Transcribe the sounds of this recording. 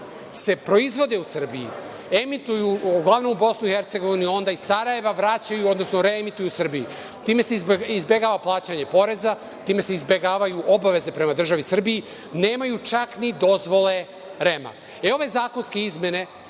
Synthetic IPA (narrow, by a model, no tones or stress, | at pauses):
se̞pɾo̞izʋo̞d̪e̞usr̩bijḭ | emit̪ujuuɡlˠaʋno̞mubo̞snuixe̞ɾt̪se̞ɡo̞ʋinuo̞nd̪aisaɾaje̞ʋaʋɾat͡ɕajuo̞d̪nosno̞ɾe̞emit̪ujusr̩biji | t̪iːme̞seizbe̞ɡaːʋaplˠaːt͡ɕaɲe̞po̞ɾe̞za | t̪iːme̞se̞izbe̞ɡaːʋajuʔo̞baʋe̞ze̞pɾe̞mad̪r̩ʒaʋisr̩biji | ne̞ːmajut͡ʃaknid̪o̞zʋo̞le̞ | ɾe̞ma̰ | eo̞ʋe̞zaːko̞nske̞izmʲje̞ne̞